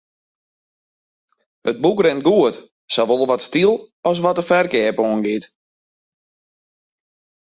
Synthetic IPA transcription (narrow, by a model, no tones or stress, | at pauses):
əd̚bukrɛnt̚ɡuət | sɔʋolˠʋɔtstilˠɔs̬ʋɔtəfɛrkɛːpoənɡɪt